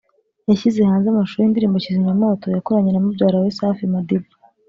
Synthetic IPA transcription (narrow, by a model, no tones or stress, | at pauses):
jaçize̞haːnzamaʃuindiɾiːmbociziɲamo̞ːto̞jakoɾaɲenamubɟaːɾawesaːfimadebi